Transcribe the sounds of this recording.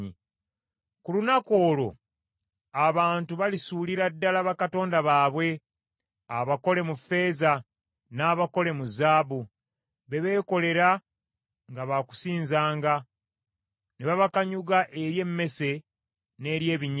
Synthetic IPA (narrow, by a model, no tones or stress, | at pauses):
i | kulunako̞ːlo̞ | aβaːntuβalisuliɾadːalaβakato̞ːndaβaːβwe̞ | aβako̞le̞mufe̞ːza | naːβako̞le̞muzaːβu | βe̞βe̞ːko̞le̞ɾa | ŋɡaβaku̥siːnzaːŋɡa | neβaβakaɲuɡaʔe̞ɾje̞mːe̞se̞ | ne̞ːɾje̞ːβiɲ